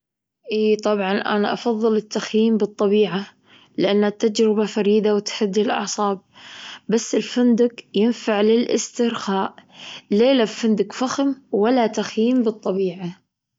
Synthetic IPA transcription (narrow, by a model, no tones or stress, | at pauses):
ʔiːt̪ˤɑbʕɑnʔa̰na̰ʔɑ̰fɑðˤːɨlɪt̪ːaxjiːmbɨt̪ˤːɑbiːʕa | lɪʔanːat̪ːad͡ʒɾɪbafaɾiːd̪awɪt̪ħɪd̪ːɪlʔɑ̰ʕsˤɑːb̚basːɪlfand̪ʊkjɪnfaʕlɪlʔɪ̰st̪ɪɾxaːʔleːlaffɪnd̪ɪkfaxmwalːat̪axjiːmbɨt̪ˤːɑbiːʕa